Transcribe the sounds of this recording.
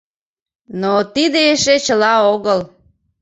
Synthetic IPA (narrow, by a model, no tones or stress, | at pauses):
not̪id̪eeʃet͡ɕəlɑoɣəl